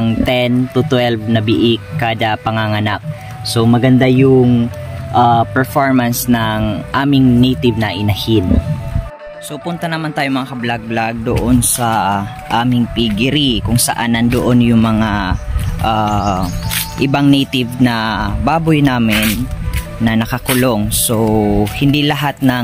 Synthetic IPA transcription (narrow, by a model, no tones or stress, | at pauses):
ŋt̪ɛnt̪ʊt̪wɛlvnɐbɪʔɪkːaːd̪ɐpɐŋaŋɐnak̚ | somɐɡɐnd̪ajʊŋʔapɛɹfoɹmɐnsnɐŋʔaːmɪŋnɛjt̪ɪvnɐʔɪnɐhɪn | so̞pʊnt̪ɐnɐmant̪aːjomɐŋakɐblaɡ̚blaɡ̚d̪oʔonsɐ | ʔaːmɪŋpiɡɪɾikʊŋsɐ̰ʔanʔɐnd̪oʔo̞njʊŋmɐŋaʔa | ʔɪbaŋnɛjt̪ɪvnɐbaːbojnaːmɪnː | ɐnɐkɐkʊloŋsohɪnd̪ilɐɦat̪̚nɐ